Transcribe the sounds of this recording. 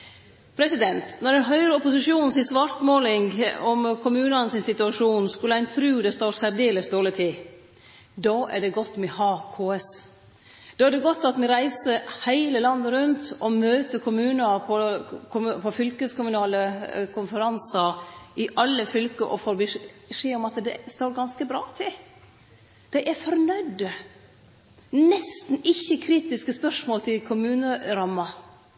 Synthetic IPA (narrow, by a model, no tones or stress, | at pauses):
pʰɾɛsɪd̪ɛnt̪nɔɾɖ̪ɛnɦœʏɾəɔpʊsɪʂuːnnsɪsʋɑɾt̪moːlɪŋɡɔmkʰʊmʉːnɑnəsɪnsɪt̪ʉɑʂuːnskʉləæɪnt̪ʰɾʉːd̪ɛst̪oːɾsæɾd̪eːləsd̪oːlət̪ʰiː | d̪ɑːæ̰ɖɛɡɔt̪ːmɛhɑːkʰoːɛs | d̪̥ɑːæɖɛɡɔt̪ːɑt̪mɛɾæɪsəɾhæɪləlɑnd̪əɾʉnt̪ɔmøːt̪əkʰʊmʉːnəɾpʰɔkʰʊmpʰɔfʏlkəskʊmʉnɑːləkʰʊnfəɾɑnsəɾɪʔɑlːəfʏlkəʔɔfoːɾbəʂeːɔmɑt̪d̪ɛst̪oːɾɡɑnskəbɾɑːt̪ʰɪl | d̪̥æɪʔɛɾfɔɾnœʏd̪ə | nɛst̪n̩ɪçːəkʰɾiːt̪ɪskəspœʂmoːlt̪ʰɪlkʰʊmʉːnəɾɑmːɑ